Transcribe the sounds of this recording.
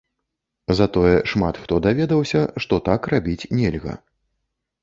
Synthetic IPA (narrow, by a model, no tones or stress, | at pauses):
zat̪ɔjɛʂmat̪xt̪ɔd̪avʲɛd̪ɐwsʲɐʂt̪ɔt̪akrabʲit͡sʲnʲɛlʲɣɐ̰